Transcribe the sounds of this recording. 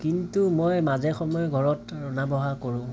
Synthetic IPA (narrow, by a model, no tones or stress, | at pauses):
kintumojmazɛxɔmɔjɔɡʱɔɹɔtɹɔnabɔɦakoɹʊ̃